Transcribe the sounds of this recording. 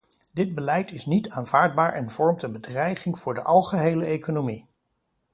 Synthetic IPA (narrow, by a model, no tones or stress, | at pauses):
dɪd̚bəlɛjtɪsnitaːnv̥aːɹd̚baːɹʔɛnv̥ɔɹmtənbədrɛjχɪŋv̥ʊːɹdəʔɑlˠχəɦejləejkonomi